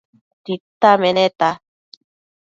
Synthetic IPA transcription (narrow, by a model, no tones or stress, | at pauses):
t̪it̪amenet̪a